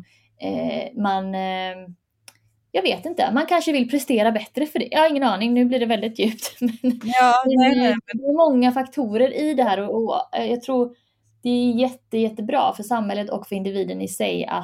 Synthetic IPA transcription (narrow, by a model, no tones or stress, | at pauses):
ɛman | jɑːɡveːt̪ɪnt̪ə̰mankʰanʂəvɪlpʰɾɛst̪eːɾabɛt̪ːɾəfœɖɛ̰jʔɑːhaɾɪŋːənɑːnɪŋnʉ̟ːbliːɖɛvɛld̪ɪt̪jʉ̟ːp̚t̪mɛnɛnd̪ɛmɔŋːafakt̪ʰuːɾəɾʔɪd̪ɛɦæːɾɔɔjɑːɡ̚t̪ʰɾuːɾ | d̪̥ɛæjɛt̪ːəjɛt̪ːəbɾɑ̰ːfœʂamhɛlːət̪ɔkfœɾɪnd̪ɪviːd̪ənɪsɛ̰ja̰